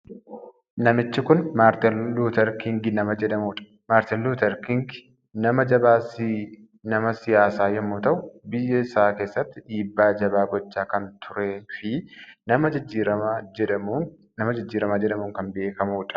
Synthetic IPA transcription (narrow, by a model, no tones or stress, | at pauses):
nɐmɪt͡ʃːɪkʊnmat̪luːt̪ɐɾkɪŋɡɪnɐmɐd͡ʒɛdɐmuːᶑɐ̥ | maːɾt̪ɛlːuːt̪ɐɾkɪŋɡ | nɐmɐd͡ʒɐbaːsɪ | nɐmɐsɪjaːsaːjɛmːoːt̪ɐʔʊbɪjːɛɪsaːke̞ːsːɐt̪ːɪᶑiːbːaːd͡ʒɐbaːɡɔt͡ʃːaːkɐnt̪ʰʊɾeːfɪnɐmɐd͡ʒɪd͡ʒːiːɾɐɛɐ | nɐmɐd͡ʒɪd͡ʒːiːɾɐmaːd͡ʒɛᶑɐmuːŋkɐnbe̞ːkɐmuːᶑɐ̥